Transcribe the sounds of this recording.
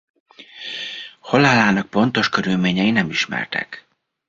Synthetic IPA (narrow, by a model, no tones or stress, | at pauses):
holalaːnɒk̚po̞nt̪o̞ʃkøɾylmeːɲɛjinɛmiʃmɛ̰rt̪ɛ̰k